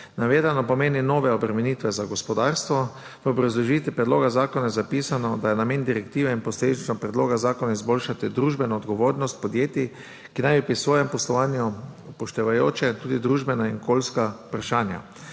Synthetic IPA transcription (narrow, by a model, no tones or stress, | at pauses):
naʋeːzanɔpɔmeːninoːʋɛɔbɾɛmɛniːt̪ʋɛzaɡɔspɔd̪aːɾst̪ʋɔ | ʋəobɾazlɔʒiːt̪ʋipɾɛd̪loːɡazaːkɔnajɛzapiːsanɔd̪ajɛnameːnd̪iɾɛkt̪iːʋɛinpɔsleːd̪it͡ʃnɔpɾɛd̪loːɡazaːkɔnaizbolʃat̪id̪ɾuːʒbɛnɔːd̪ɡɔʋoːɾnɔst̪pɔd̪jeːt̪i | kinajbipɾisʋoːjɛmpɔslɔʋaːnjupɔʃt̪ɛʋajoːt͡ʃɛt̪uːd̪id̪ɾuːʒbɛnaiŋkʰoːlskapɾaʃaːnja̰